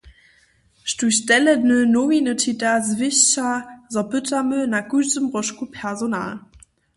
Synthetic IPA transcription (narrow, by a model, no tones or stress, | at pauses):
ʃtuɕdɛlənənominətʰidazvɪɕazɔb̥ʏtʰɐmønaɡuzəmʁɔʃkupʰɛɐzona̰ːl